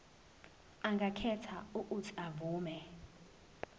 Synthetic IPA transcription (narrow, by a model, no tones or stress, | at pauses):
aŋɡʱakʰɛtʰauʔutʰiavuːmɛ